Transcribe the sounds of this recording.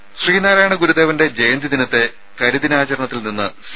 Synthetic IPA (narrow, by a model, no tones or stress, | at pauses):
ɕriːnaːɾaːjɳɐɡuɾud̪eːʋɐnde̞d͡ʑe̞jɐnd̪id̪inɐt̪ːe̞ | kɐɾuðinaːt͡ɕɐɾɐɳɐt̪ːilninːɨs